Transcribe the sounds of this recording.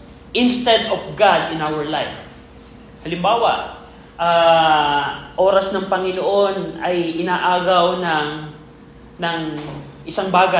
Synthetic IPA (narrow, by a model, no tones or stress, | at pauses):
ʔɪnst̪ɛd̪ofɡad̪ɪnawɐɹlajf | hɐlɪmbaːwaʔ | ʔaː | ʔo̞ːɾɐsnɐŋpɐŋɪnoʔo̞nɐjʔɪnaːʔaːɡɐwnɐŋ | nɐŋ | ʔɪsaŋbaːɡa